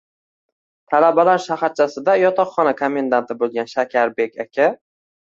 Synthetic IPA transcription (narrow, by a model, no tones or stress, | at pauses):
t̪ʰalabalaɾʃaχaɾt͡ʃʰasɪd̪ajɒt̪ʰɒχχːɒnakʰome̞nd̪ant̪ʰɪbolˠɡʲanʃakʲʰaɾbe̞kʲakʲʰa